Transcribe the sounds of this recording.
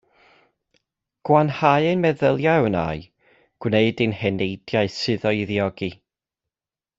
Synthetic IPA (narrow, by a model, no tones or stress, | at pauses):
ɡ̥wanhaɨɨnmɛðəlˠjaəna̰ːɨ | ɡ̥wneɨdɨnhɛnejdjaɨsɨðɔiðiɔɡi